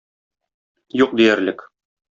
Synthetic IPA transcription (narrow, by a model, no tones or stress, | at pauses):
juq̚d̪ijæɾlɘk